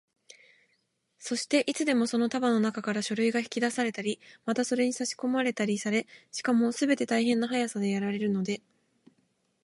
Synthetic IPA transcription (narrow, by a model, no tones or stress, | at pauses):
so̞ɕi̥t̪e̞ʔit͡sɨd̪e̞mo̞so̞no̞t̪abano̞nakakaɾaɕo̞ɾɯ̟iɡaçi̥kʲid̪asaɾe̞t̪aɾʲimat̪aso̞ɾe̞ɲ̟isaɕi̥ko̞maɾe̞t̪aɾʲisaɾe̞ɕi̥kamo̞sɨbe̞t̪e̞t̪aiɦẽ̞nːaɦajasad̪e̞jaɾaɾe̞ɾɯ̟no̞d̪e̞